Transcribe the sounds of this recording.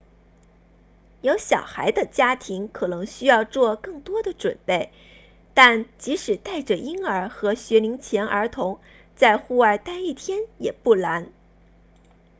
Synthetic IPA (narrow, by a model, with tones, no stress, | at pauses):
jo˧˥ʊɕjɑ˨˩ʊxa˧˥ɪd̪ə˧t͡ɕja˥t̪ʰi˧˥ŋkʰɤ˨˩nɤ˧˥ŋɕy˥jɑ˥˧ʊt͡swɔ˥˧kɤ˥˩ŋt̪wɔ˥d̪ə˨ʈ͡ʂwə˨˩npe˥˩ɪ | t̪a˥˩nt͡ɕi˧˥ʂɻ̩˨˩t̪a˥˩ɪʈ͡ʂə˨˩ʔi˥ŋə˞˧˥xɤ˧˥ɕɥɛ˧˥li˧˥ŋt͡ɕʰjɛ˧˥nʔə˞˧˥t̪ʰʊ˧˥ŋ | t͡sa˥˧ɪxu˥˧a˞˥˧˩t̪a˥˧ni˥˩t̪ʰjɛ˥njɛ˨˩pu˥˩la˧˥n